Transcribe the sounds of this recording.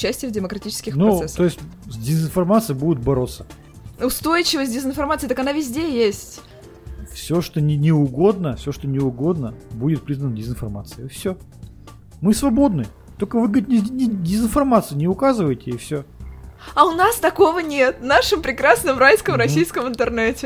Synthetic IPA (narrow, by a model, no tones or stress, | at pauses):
ʊt͡ɕːæsʲtʲɪjəvdʲɪməkɾɐtʲit͡ɕɪ̥skʲɪxnusɛsoɪsʲtʲzʲdʲɪzɨnfɐrmat̪sɨjɪbudʲɪt̪̚bɐɾo̞t̪sːə̥ | ʊst̪o̞jɪt͡ɕɪvəsʲdʲɪzɨnfɐrmat̪sɨjt̪akɐnavʲɪzʲdʲejesʲtʲ | fsʲoʂt̪onʲɪnʲɪʊɡo̞d̪nəfsʲoʂt̪onʲɪʊɡo̞d̪nəbudʲɪt̪̚pɾʲiznənədʲɪzɨnfɐrmat̪sɨɪfsʲɵ | mɨsvɐbo̞d̪nɨj | t̪olʲkəvɨɡəɪt̪̚ʲnʲɪnʲɪdʲɪzɨnfɐrmat̪sɨjɪnʲɪʊkazɨvəjɪtʲɪɪfsʲo | ɐʊnast̪ɐko̞vənʲe̞t̪naʂɨmpɾʲɪkɾasnəmɾajskəmɾɐsʲijskəmɨnt̪ɨrnɛtʲɪ